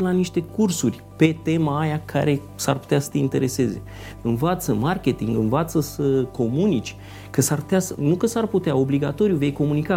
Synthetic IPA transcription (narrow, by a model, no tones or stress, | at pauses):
laniʃt̪e̞kursurʲ | pe̞t̪e̞maːjakʰa̰ɾe̞ | sarpu̥t̪easə̥t̪e̞int̪e̞ɾe̞se̞ze̞̰ | ɨnvat̪səmarkʲe̞t̪iŋɡɨnvat̪səsəkʰo̞munit͡ʃʲ | kəsarpu̥t̪easənukəsarput̪eao̞bliɡat̪o̞ɾjuve̞jko̞munika